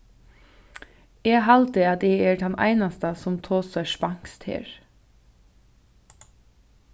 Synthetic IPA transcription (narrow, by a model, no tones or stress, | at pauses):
eːhɑlt̪ɪɑt̪eːeːɖɛnʔæ̰ɪnɑst̪əsɔmt̪ʰoːsəʃpɑŋkst̪hḛːɹ